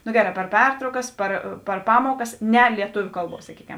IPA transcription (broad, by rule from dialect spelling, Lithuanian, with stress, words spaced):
nʊ ˈɡʲæːˌrɑː pʲɛr ˈpʲɛrtrɐʊkɐs ˈpɐr pɐr ˈpɑːmuɔkɐs ˈnʲɛ lʲiɛˈtʊʋʲʊ ˈkɐlˠˌbuɔs sɐˈkʲiːkʲɛm